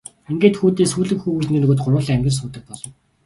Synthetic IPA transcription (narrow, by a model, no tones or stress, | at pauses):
æmɡʲeːt̪xuːt̪eːsuːɮɘ̆kxuːxut͡ɕ̆nĕːnɵɣoːt̪̚ɢʊɾwʊːɮːæmɡʲɪ̆rs̬uːt̪ə̆k̚pɔɮɞ̆w